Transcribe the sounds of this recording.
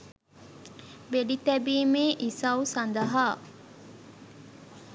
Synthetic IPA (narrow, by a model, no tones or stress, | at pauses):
beɖit̪ɛbiːmeːʔisɐusɐnd̪ɐɦaː